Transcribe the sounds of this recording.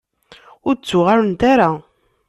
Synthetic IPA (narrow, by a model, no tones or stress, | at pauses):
ʊɾt͡sːʊʁaɾnt̪aɾa